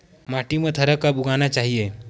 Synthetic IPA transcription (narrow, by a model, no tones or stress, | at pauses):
maʈimət̪ʰəɾəkabuɡanjat͡ɕaɦije